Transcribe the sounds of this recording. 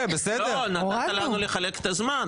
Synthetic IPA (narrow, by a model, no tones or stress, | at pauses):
besedloenadatalanuleχaleke̥t̪azman